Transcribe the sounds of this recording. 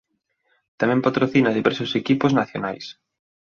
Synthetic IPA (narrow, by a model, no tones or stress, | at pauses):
t̪amɛ̃mpat̪ɾoθinaðiβɛɾsʊsekipʊznaθjona̰js